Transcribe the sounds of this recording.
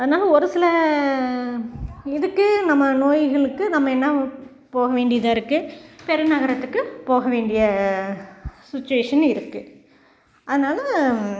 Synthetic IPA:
ɐðɐnaːlɐɔɾɯsɪlɐ | ɪðɯkːɯnɐmːɐnoːjɣɐɭɯkːɯnɐmːɐɛnːɐ | poːɣɐʋeːɳɖɪjɐðãːɪɾɯkːɯpɛɾɯnɐɣɐɾɐt̪ːɯkːɯpoːɣɐʋeːɳɖɪjɐ | sɪt͡ʃːʊeːʂɐnɪɾɯkːɯ | ʔɐðɐnaːlɐ

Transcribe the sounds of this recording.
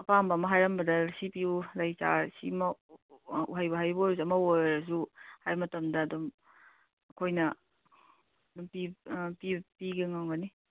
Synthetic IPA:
ɐpambɐmɐɦajɾɐmbɐdɐsipiulajt͡ʃa̰sḭmɐ | ṵɦajbɐɦajboɾs̬ɐmɐojɾɐs̬uhajmɐtɐmdɐːdum | ɐkʰojnɐ | ɐdumpipipiɡeŋawɡɐni

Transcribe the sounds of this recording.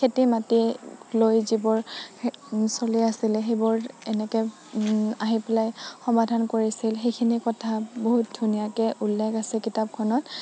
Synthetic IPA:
kʰetimatilojzibɔɹ | soliasilɛxejbɔɹɛnɛkɛ | aɦipɛlajxɔmadʱankoɹisilxejkʰinikɔtʰaboɦut̚dʱunijakɛʔulːɛɡasɛkitap̚kʰɔnɔt

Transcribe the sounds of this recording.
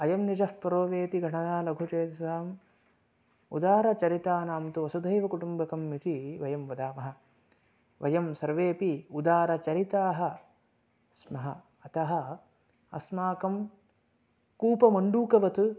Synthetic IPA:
ɐjɐmnid͡ʒɐhpɐɾoːʋeːt̪iɡʱɐɳɐjaːlɐɡʱut͡ʃeːd̪ɐsaːm | ṵd̪aːɾɐt͡ʃɐɾit̪aːnaːmt̪uʋɐsud̪ʱɐjʋɐkuʈumbɐkɐmːit̪ʰiʋɐjɐmʋɐd̪aːmɐɦɐ̆ | ʋɐjɐmsɐɾʋeːpiud̪aːɾɐt͡ʃɐɾit̪aːɦɐ̆ | smɐɦɐ | ɐt̪ɐɦɐ̆ | ɐ̰smaːkɐm | kuːpɐmɐɳɖuːkɐʋɐt̪u

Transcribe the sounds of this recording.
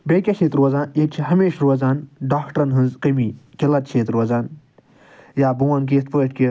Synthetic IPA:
bekʲɐkʰet̪ɾoːzãːnit͡ʃʰiɦɐmeːʃɾoːzaːnɖaːkʰʈɾɐnɦɨ̃nzqɐmikelɐt̪t͡ʃʰeːt̪ɾoːzaːn | jaːbuwɐnk̬eːst̪̚pəːʈ̚ʲkʲi

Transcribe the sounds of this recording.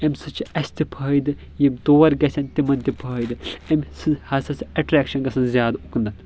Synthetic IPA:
ɐmsɨt͡ʃʰiɐsʲt̪ipʰɐːjd̪ɨ | jimʲd̪oːɐɾɡɐsʰʲɐnt̪imɐnt̪ipʰɐːjd̪ɨɐmʲsɨhɐsɐsiɐʈɾeːkʃɐnɡɐsɐnzʲjaːd̪uknd̪ɐn

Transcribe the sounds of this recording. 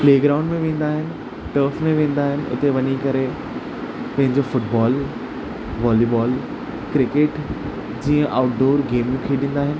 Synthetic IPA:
pleːɡɾaːʊ̃ɳɖmẽʋẽːn̆d̪aːɦɪnɪ̆ | ʈəːfmẽʋẽːn̆d̪aːɦɪnɪ̆ʔʊ̰t̪eʋɐɲikɐɾe | pɐ̃ɦɪ̃ɲd͡ʑofʊʈbɔːl | ʋaːlibɔːl | kɾɪkeʈ | d͡ʑiːə̃ʔaːʊʈɖoːɾɡeːmjũkʰeɗĩːnd̪aːɦɪnɪ̆

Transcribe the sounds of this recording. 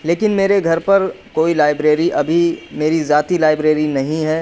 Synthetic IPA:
leːkɪnmeːɾeɡʱɐɾpɐɾkoːilaːɪbɾeːɾiʔɐbʱimeːɾizjaːt̪ilaːɪbɾeːɾinɐɦĩɦɛː

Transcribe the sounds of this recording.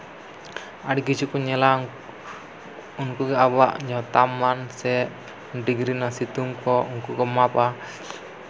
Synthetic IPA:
adikit͡ʃukuɲɛla | unkuɡiabaʔɲat̪amansɛ | ndiɡɾinasit̪uŋkɔŋkukɔmapa

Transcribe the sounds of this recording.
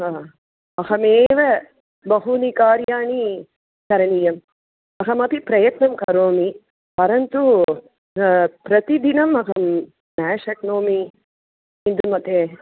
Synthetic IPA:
aː | ɐɦɐmeːʋɐ | bɐɦunikaːɾjaːni | kɐɾɐnijɐm | ɐɦɐmɐpipɾɐjɐt̪nɐmkɐɾoːmi | pɐɾɐnt̪u | pɾɐt̪id̪inɐmɐɦɐm | nɛːʃɐknoːmi | ind̪umɐt̪e

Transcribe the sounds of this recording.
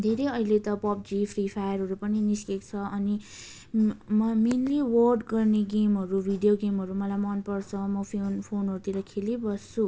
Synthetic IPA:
d̪ʱeɾejʌilet̪ʌpʌp̚d͡zipʰripʰajʌɾɦʌɾupʌniniskekt͡sʰʌʌni | mʌminliwʌrɖɡʌrneɡemɦʌɾubʱiɖijoɡemɦʌɾumʌlajmʌnpʌrt͡sʰʌmʌpʰenpʰonɦʌɾut̪iɾʌkʰelibʌst͡sʰu

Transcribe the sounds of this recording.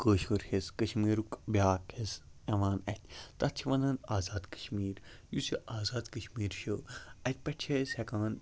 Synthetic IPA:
kəːʃoɾheskɐʃmiːɾukbʲaːkhezɐʋaːnɐ̰t̪ʲt̪ɐt̪t͡ʃʰiʋɐnɐnaːzaːd̪kə̥ʃmiːɾ | jusiʔaːzaːd̪kɐʃmiːɾʃəɐt̪̚ʲpɐʈt͡ʃʰeshɛkãːn

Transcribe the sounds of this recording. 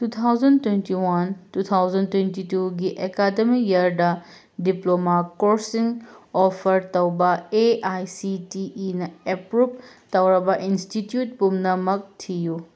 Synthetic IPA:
tut̪ʰawzɐntwentiwɐntut̪ʰawzɐntwentituɡiʔekadɐmijɐɾdɐ | diplomakoɾsiŋɔpʰɐɾtɐwbɐeajsitiːnɐepɾup̚tɐwɾɐbɐʔinstitjut̚pumnɐmɐk̚tʰiju

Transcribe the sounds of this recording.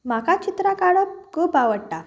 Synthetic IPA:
m̤akat͡ɕit̪ɾakaɭəkuːpaʋəɽʈa

